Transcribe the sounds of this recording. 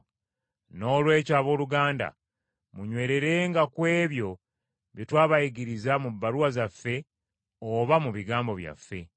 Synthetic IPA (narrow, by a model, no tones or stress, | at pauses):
no̞ːlwe̞ːcaːβo̞ːluɡaːnda̰ | muɲwe̞ːɾe̞ɾe̞ːŋɡakwe̞ːβjo̞ | βjitwaːβajiɡiɾizamubːaɾuwazafːe̞ | oβamuβiɡaːmbo̞βja̰fːe̞